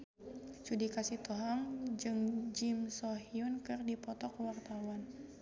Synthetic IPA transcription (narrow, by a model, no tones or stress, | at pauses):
t͡ʃudikasiht̪oɦaŋd͡ʒɨŋd͡ʒɪmsɔhiunkɨrdipɔt̪ɔkwart̪awan